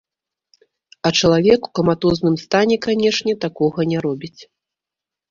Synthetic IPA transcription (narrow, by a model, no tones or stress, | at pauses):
ɐt͡ʂɐlˠavʲɛku̥kɐmat̪ɔznɨmst̪anʲɛkanʲɛʂnʲɛt̪akɔɣɐnʲɛɾɔbʲit͡sʲ